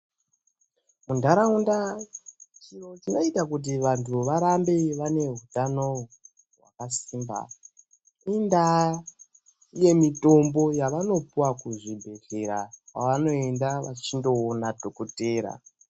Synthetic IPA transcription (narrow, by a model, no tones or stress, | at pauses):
mundʱaɾaunda | t͡ʃinot͡ʃino̞itakut̬iʋantʰuʋaɾambe̞ʋane̞ɦutano̞ | ɦwa̰kasiːmba̰ | inda | ije̞mito̞mbo̞jaʋano̞puwakuʐibʱe̞ɮe̞ɾaka̰ʋano̞endaʋat͡ʃindo̞ːnadʱokoteːɾa̰